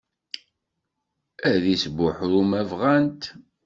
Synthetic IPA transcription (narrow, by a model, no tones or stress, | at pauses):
æðisbʊħɾumævʁænt̪